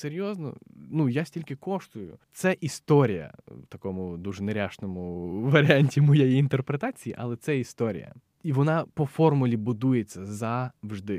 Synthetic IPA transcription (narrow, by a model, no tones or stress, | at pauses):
seɾʲjɔznɔ̰nujasʲtʲilʲkɪkɔʂt̪ʊjʊ̰t̪sɛʔist̪ɔɾʲijɐ̰wt̪ɐkɔmʊd̪uʒɛneɾʲaʃnɔmʊʋɐɾʲɪanʲtʲimɔjejiint̪erpɾet̪ɑt͡sʲijiʔɐlˠɛt̪sɛist̪ɔɾʲḭjɐ̰ | iʋɔnɑpɔfɔrmʊlʲibʊd̪ujet͡sʲːɐzɐwʒd̪ɪ